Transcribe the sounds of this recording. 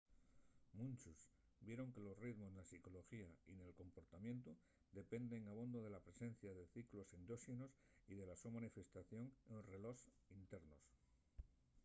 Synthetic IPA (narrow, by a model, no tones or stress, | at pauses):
mũnt͡ʃus | bje̞ɾo̞ŋke̞lo̞sriðmoznasiko̞lo̞xiaine̞lko̞mpo̞ɾt̪amje̞nt̪u | d̪e̞pe̞nd̪e̞ŋaβ̞ond̪oð̞elapɾe̞se̞n̟θjaðe̞θiklo̞send̪oʃinos | iðe̞lasomãnife̞st̪aθjo̞ŋre̞lo̞s | int̪e̞ɾno̞s